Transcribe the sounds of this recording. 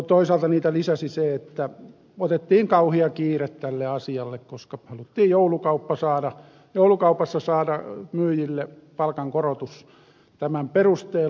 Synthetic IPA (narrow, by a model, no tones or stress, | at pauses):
t̪oisɑlt̪ɑniːt̪ælisæsiseet̪ːæ | ot̪et̪ːiːŋkɑuhiɑkiːret̪t̪ælːeɑsiɑlːekkoskɑhɑlut̪ːiːjjoulukɑupːɑsɑːdɑ | joulukɑupɑsːɑsɑːdɑmyːjilːe | pɑlkɑŋkorot̪us | t̪æmæmperust̪eː